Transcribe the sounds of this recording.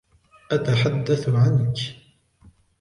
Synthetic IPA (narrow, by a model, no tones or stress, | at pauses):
ʔat̪aħad̪ːaθʕank